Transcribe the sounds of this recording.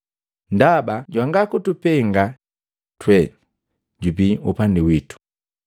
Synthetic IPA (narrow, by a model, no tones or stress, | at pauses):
ndabaɟwaŋɡakutupɛŋɡa | twɛ | ɟubiupandiwitu̥